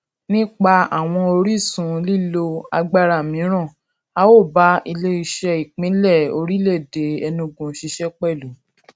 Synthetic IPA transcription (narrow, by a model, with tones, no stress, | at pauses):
nĩ˦k͡pa˧a˨w̃ɔ̃˧o˧ɾi˦˨sũ˨˦li˦˨lo˧a˧ɡ͡ba˦ɾa˨mĩ˨˦ɾ̃ã˦˨ | a˦wo˦˨ba˦i˧le˦i˧ʃɛ˧i˨k͡pĩ˨˦lɛ˦˨o˧ɾi˦le˦˨de˨˦ɛ˧nũ˧ɡũ˧˦ʃi˧ʃɛ˦k͡pɛ˦˨lu˨˦